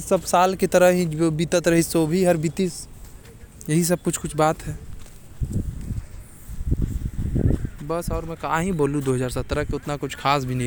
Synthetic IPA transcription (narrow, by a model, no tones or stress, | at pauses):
sɐbsaːlket̪əɾəɦɦĩbit̪ət̪ɾɐɦisobʱiɦɐɾbit̪is | jɐɦis̬ɐb̚kʊt͡ʃʰkʊt͡ʃʰbaːt̪ɦɛː | bɐsɔːɾmɛ̃kɐɦãɦiboːlũd̪oːɦəzaːɾsɐt̪ɾəkeʊt̪nakʊt͡ʃʰkʰaːs̬bʱinĩ